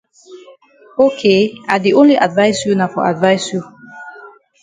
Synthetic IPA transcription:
okʰeadiʔõnliʔadvaɪsjunaʊfɔa̰dvaɪsju

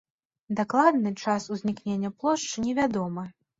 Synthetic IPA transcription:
d̪aklˠad̪nɨt͡ʂasuzʲnʲiknʲenʲːɐplˠɔʂt͡ʂɨnʲɛvʲad̪ɔmɐ

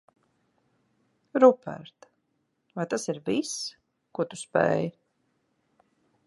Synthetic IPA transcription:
ɾupɛ̰ɾt̪ | vajt̪asiɾvis | kuɔt̪u̥spɛ̰ːj

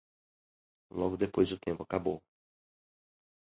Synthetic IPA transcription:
lɔɡʊd̪epojzʊt̪ẽmpʊakabo

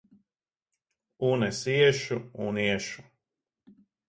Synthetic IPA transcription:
unɛsiɛʃuuniɛʃu̥

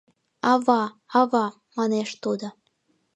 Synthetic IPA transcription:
ɑβɑ | ɑβɑ | mɑneʃt̪ud̪ŏ

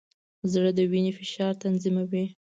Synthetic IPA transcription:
zɽəd̪əwinefɪʃɑɾt̪anzimawi

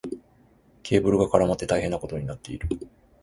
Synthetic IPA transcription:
kʰʲe̞ːbɯ̟ɾɯ̟ɡakaɾamat̪ːe̞t̪aihe̞nːako̞t̪o̞ɲ̟inat̪ːe̞iɾɯ̟

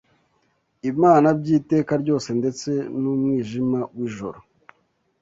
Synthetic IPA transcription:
imaːnabɟiːte̞ːkaɾɟo̞ːse̞nde̞t͡se̞numŋiːʒimawiʒo̞̰ɾo

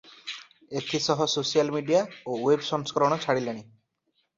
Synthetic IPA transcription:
et̪ʰisɔɦɔsosijalmiɖijaowebsɔŋskɔɾɔɽ̃ɔt͡ʃʰaɽileɽ̃i

